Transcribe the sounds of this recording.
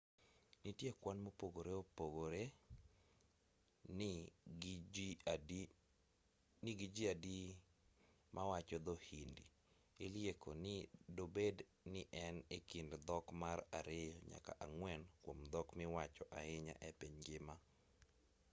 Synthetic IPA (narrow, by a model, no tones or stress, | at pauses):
nitjekwanmopoɡoɾeopoɡoɾe | n | nɪɡid͡ʒiadi | mʔawat͡ʃɔd̪ohindi | eljekʰonɪdobed | nɪʔɛnekindd̪ɔkmaraɾejɔɲa̰ka̰ʔaŋwɛnkwomd̪ɔkmɪwat͡ʃɔʔa̰ɪɲa̰ʔɛpiɲɡɪma